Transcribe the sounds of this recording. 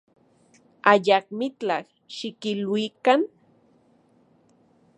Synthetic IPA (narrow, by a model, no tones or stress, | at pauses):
aʎak̚mɪt͡ɬax | ʃɪkɪlwikan